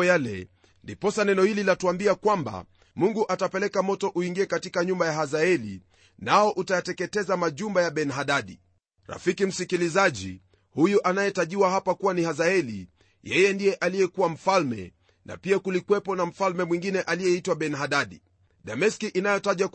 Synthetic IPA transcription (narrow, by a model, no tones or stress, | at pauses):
jalɛ̰ | ndipɔsanɛnɔhililatuambiakwamba̰ | muŋɡuʔatapɛlɛkamɔtɔʔuiŋɡiɛkatikaɲumbajaɦazaɛlḭ | naɔʔutajatɛkɛtɛzamaʄumbajaɓɛnɦaɗaɗi | ɾa̰fikim̩sikilizaʄi | hujuʔanajɛtaʄiwahapakuwanihazaɛlḭ | jɛjɛndijɛʔalijɛkuwam̩falmɛ̰ | na̰piakulikwɛpɔnam̩falmɛmwĩŋɡinɛʔalijɛitwaɓɛnɦaɗaɗi | ɗamɛskiʔinajɔtaʄwa